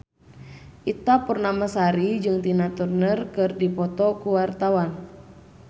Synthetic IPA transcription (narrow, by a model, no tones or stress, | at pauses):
ʔit̪apərnamasaɾid͡ʒɨŋt̪inat̪urnərkɨrdipɔt̪ɔkuwart̪awan